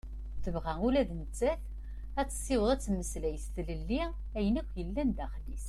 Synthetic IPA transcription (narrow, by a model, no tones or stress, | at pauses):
θəvʁæulæðnət͡sːæθ | æt͡sːə̥sːɪwəðˤæt͡sːmːəslæjəst̪ləlːi | æjənækʷːjəlːænd̪æχlis